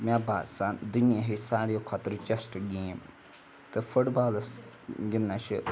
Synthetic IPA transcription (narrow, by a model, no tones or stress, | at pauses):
mʲaːbaːd̪sand̪unijaɦisaːɾijokʰaːt̪ɾt͡ʃɐsʈɡeːm | t̪ɨfʰʊʈbaːls | ɡɪnːaʃi